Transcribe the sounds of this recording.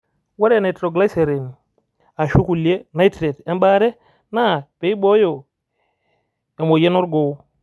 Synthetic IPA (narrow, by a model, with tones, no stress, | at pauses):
wa˦ɾane˨tɾo˨ɡla˦jse˨ɾi˨n | a˨ʃu˦ku˨lije˦na˦itɾe˨te˦mba˦ɾe˦ | na˦pe˦i˦bo˦jo˨ | e˨mo˨je˦no˦ɾɡo˨˦